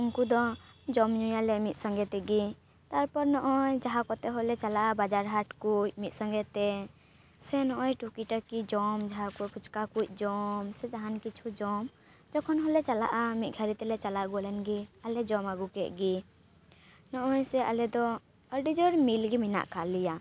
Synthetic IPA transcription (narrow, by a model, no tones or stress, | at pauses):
unkud̪ɔ | d͡ʒɔmɲujalɛmit̪̚ˀsɔ̃ŋɡɛt̪ɛɡi | t̪aɾpɔɾnɔʔɔjd͡ʒaɦakɔt̪ɛɦɔlɛt͡ʃalaʔabad͡ʒaɾɦaʈkuc̚mit̪̚sɔ̃ŋɡɛt̪ɛ | sɛnɔʔɔjʈukiʈakid͡ʒɔmd͡ʒaɦakukʰut͡ʃkakuc̚ˀd͡ʒɔmsɛd͡ʒaɦankit͡ʃʰud͡ʒɔmd͡ʒɔkʰɔnɦɔlɛt͡ʃala̰ʔamit̪̚ɡʱaɾit̪ɛlɛt͡ʃalaʔɡɔlɛnɡialɛd͡ʒɔmaɡukɛʔɡi | nɔʔɔjsɛʔa̰lɛd̪ɔ | əɾɖid͡ʒɔɾmilɡimina̰ʔkʰalija